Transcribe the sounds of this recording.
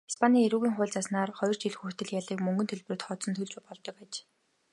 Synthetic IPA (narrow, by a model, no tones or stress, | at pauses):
i̥spʰanʲiːŋeɾuːɣiːŋχʊːɮʲt͡sasnaːrχɔjɞ̆r̥t͡ɕiɮxukt̪ɘ̆ɮjaɮiːkmɵŋɡɵ̆nt̪ʰeɮp̆rɘ̆t̪χɔːt̪sɞ̆nt̪ʰɵɮt͡ɕupɔɮt̪ɞ̆kaːt͡ɕ